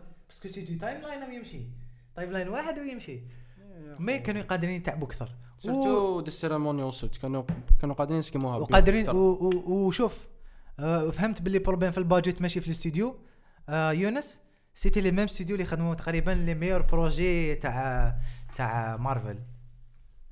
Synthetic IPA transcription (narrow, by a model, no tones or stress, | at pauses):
b̥æskəst̪yd̪jut̪ɑjmlɑjnwjəmʃit̪ˤɑjmlɑjnwaħəd̪wjəmʃi | mækænujqɑd̪ɾint̪aʕbukt̪ɑɾˤ | wud̪əseɾemonjwsut̪kænukænuqɑd̪əɾinskimuhæwqɑd̪ɾinwʃuf | fhəmt̪bəlːipɾoblæmfilbɑd͡ʒət̪mæʃifilst̪yd̪ju | junəs | sit̪iləmæməst̪yd̪julixəd̪mut̪ɑ̥qɾibənliməjəɾpɾoʒet̪aʕ | t̪aʕmɑɾˤvə̰l